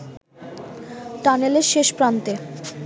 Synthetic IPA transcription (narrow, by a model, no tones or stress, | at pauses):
ʈaneleɾʃeʃpɾant̪e